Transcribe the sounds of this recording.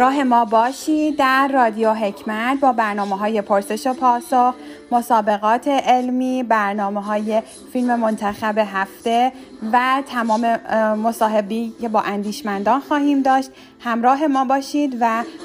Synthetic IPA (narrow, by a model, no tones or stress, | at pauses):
ɾɒːɦe̞mɒːbɒːʃiːd̪dːæɾːɒːd̪ijoɦe̞cʰmæt̪̚ʰbɒːbæɾnɒːmeɦɒːje̞pʰoɾse̞ʃo̞pʰɒːsoxmo̞sɒːbe̞ɣɒːt̪ʰe̞ʔelmiːbæɾnɒːme̞ɦɒːje̞ | filme̞mo̞nt̪ʰæxæbe̞ɦæft̪e̞ | væt̪ʰæmɒːme̞mosɒːɦe̞beice̞bɒːʔænd̪iːʃmænd̪ɒːnxɒːhiːmd̪ɒːʃt̪ | hæmɾɒːɦe̞mɒːbɒːʃiːd̪væ